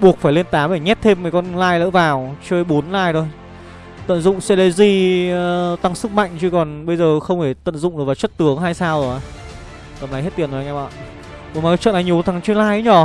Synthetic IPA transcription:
ɓu˨˩ək̚faː˧˩jle˧ənt̪aː˨˦mʔe˧˩jɲɛ˦˥t̚t̪ʰe˧mməː˨˩kɔ˧nlaː˧jlə̰ː˧˥vaː˨˩wt͡ɕəː˧jɓo˨˦nlaː˧jt̪ʰo˧j | t̪ə̰˧˨nzʊ̰˧˨ŋ͡msɛ˧le˧zi˧ | t̪a˧ŋsɨ˦˥k̚ma̰˧˨jŋ̟t͡ɕɨ˧kɔ˨˩nɓə˧jzəː˨˩xə˧wŋ͡mhʰe˧˩t̪ə̰˧˨nzʊ̰˧˨ŋ͡mʔɨ˨˩vːt͡ɕə˦˥t̚t̪ɨ˨˦əŋɦaː˧jsaː˧wzo˨˩ha˨˧˦j | t̪ə˨˩mla˨˦jɦe˦˥t̪i˨˩ənzo˨˩˨ŋa˧˩ɓa̰ː˧˨ | ko˨˦maː˨˩˨t͡ɕə̰˧˨nʔa˨˦jɲ˨˩wt̪ʰa˨˦ŋt͡ɕi˧nlaː˧jə˨˦ɲɔ˧˩

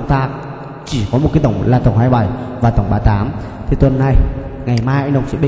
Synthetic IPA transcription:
ŋ͡mt̪aː˧k̚ | t͡ɕi˧˩kɔ˨˦m̚˨˩ka˨˦t̪ə˧˩wŋ͡mlaː˨˩t̪ə˧˩wŋ͡mɦaː˧jɓa˧˩jvaː˨˩t̪ə˧˩wŋ͡mɓaː˨˦t̪aː˨˦m | t̪ʰi˨˩t̪wə˨˩nːa˨˩jŋa˨˩jmaː˧jʔa˧˦ɗə˨˩wŋ͡msḭ˧˥ɓi˧

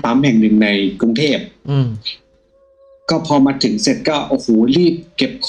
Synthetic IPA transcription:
saː˨˦˥mhɛ˨˩ŋnɯ˨˩ŋna˧jkɾu˧ŋt̪ʰeː˥˩p̚ | kɔː˥˩pʰɔː˧maː˧t̪ʰɯ˩˦ŋse˨˩t̪̚kɔː˥˩ʔoː˧˩hoː˨˩˦ɾiː˥˩p̚ke˨˩p̚kʰ

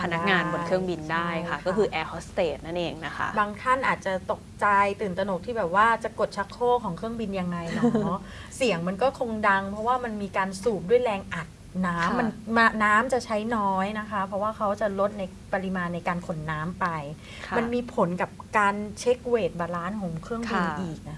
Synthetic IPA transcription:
pʰa˧na˦˥k̚ŋaː˧nbo˧nkʰɯ˥˩əŋbi˧ndaː˥˩jkʰa˥˩kɔː˥˩kʰɯː˧ʔɛː˧hɔ˦˥st̪eː˨˩t̪̚na˥˩nʔeː˧ŋna˦˥kʰa̰˦˥baː˧ŋt̪ʰa˥˩nʔaː˨˩t̪̚t͡ɕa˨˩t̪o˨˩k̚t͡ɕa˧jt̪ɯː˨˩nt̪a˧no˨˩k̚t̪ʰiː˥˩bɛː˨˩p̚waː˥˩t͡ɕa˨˩ko˨˩t̪̚t͡ɕʰa˦˥kʰːoː˥˩kʰɔː˩˦ŋkʰɾɯ˥˩əŋbi˧nja˧ŋːa˧jnɔ˦˥ | si˨˩əŋma˧nkɔː˥˩kʰo˧ŋda˧ŋpʰɾɔ˦˥waː˥˩ma˧nmiː˧kaː˧nsuː˨˩p̚du˥˩jlɛː˧ŋʔa˨˩t̪̚naː˦˥mmːa˧nma˧naː˦˥mt͡ɕa˨˩t͡ɕʰa˦˥jnɔː˦˥jna˦˥kʰa˦˥pʰɾɔ˦˥waː˥˩kʰa˦˥wt͡ɕa˨˩lo˦˥t̪̚na˧j | pa˧ɾi˧˥maː˧nːa˧jkaː˧nkʰo˨˩˦nːaː˦˥mpa˧jʰ | ma˧nmiː˧pʰo˩˦nka˨˩p̚kaː˧nt͡ɕʰe˦˥k̚weː˨˩t̪̚baː˧ɾaː˦˥nɦo˨˩˦mkʰɾɯ˥˩əŋʰbi˧nʔiː˨˩k̚ʔa˨˩

